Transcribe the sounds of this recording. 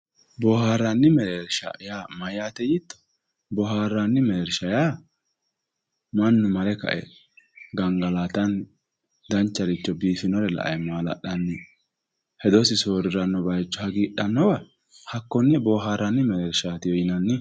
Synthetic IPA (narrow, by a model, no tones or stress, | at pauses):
bɔːhaːɾɐnːɪmɛɾeɾʃa̰jaːmɐjat̪ɛjit̪ːɔ̥ | bɔɦaːɾːanːɪmɛɾʃɐjaː | mɐnːʊmɐlɛkɐ̰ʔɛ̰ | ɡɐŋɡɐlaːt̪ɐn | d̪ɐnt͡ʃːɐɾɪt͡ʃːɔbiːfɪnɔɾɛlɐ̰ʔɐ̰jmaːlɐ̰ɗɐnːɪ | hɛd̪ɔsɪsoːɾɪɾɐnːɔbɐjt͡ʃːɔhɐɡiːɗɐnːɔwɐ | hɐkːɔnːɛbɔːɦaːɾɐnːɪmɛɛːɾʃat̪ɪjɔjɪnɐnːɪ